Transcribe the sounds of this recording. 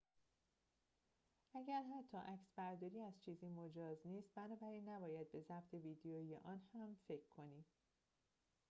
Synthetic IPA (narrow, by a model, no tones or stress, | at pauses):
ʔæɟæɾɦæt̪ʰːɒːʔæcsbæɾd̪ɒːɾiːæzt͡ʃʰiːziːmod͡ʒɒːzniːst̪̚bænɒːbæɾiːnːæbɒːjæd̪̚be̞zæbt̪ʰe̞viːd̪eoːijḛʔɒːnhæmfe̞cʰkʰːo̞niːd